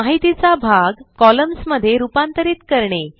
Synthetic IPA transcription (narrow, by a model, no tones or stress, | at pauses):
aɦit̪it͡sabʱaɡkɔləmsməd̪ʱːjeɾupãnt̪əɾiːt̪kəɾɳe